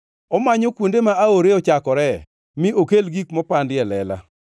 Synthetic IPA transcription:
ɔmaɲɔkwondemaaoɾeɔt͡ʃakɔɾɛ | mɪʔokelɡikmɔpandɪjɛlɛla̰

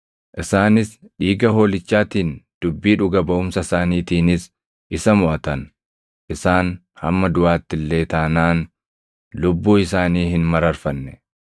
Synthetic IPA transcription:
ʔɪsaːnɪs | ᶑiːɡɐɦo̞ːlɪt͡ʃːaːt̪iːnd̪̥ʊbːiːᶑʊɡɐbɐʔʊmsɐsaːniːt̪iːnɪs | ʔɪsɐmʊʔɐt̪ɐn | ʔɪsaːn | hɐ̰mːɐd̪ʊʔaːt̪ːɪlːe̞ːt̪ɐnaːn | lʊbːuːɪs̬aːniːhɪnmɐɾɐɾfɐnːɛ̥

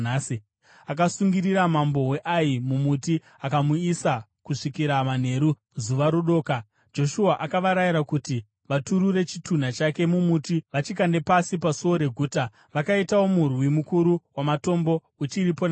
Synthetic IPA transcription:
asi | ak̬asuŋɡiriɾamambo̞we̞ʔajimumuti | akamuisa | kuʂikiɾaman̤e̞ɾu | zuʋaɾoɗo̞ːka | d͡ʒo̞ʃuaʔakaʋaɾajiɾakuti | ʋatuɾure̞t͡ʃitʰun̤at͡ʃake̞mumutiʋat͡ʃikande̞pasipasoɾe̞ɡʱuːta | ʋakaitawo̞murwimukuɾuwamato̞mbo̞ | ut͡ʃiɾipon

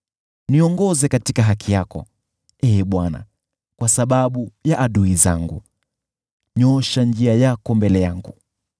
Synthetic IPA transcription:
niɔŋɡɔzɛkatikaɦakʰijakɔ̰ | ɛːɓwana̰ | kwasaɓaɓujaʔaɗuiza̰ŋɡṵ | ɲɔʃand͡ʒiajakɔmbɛlɛjaŋɡu

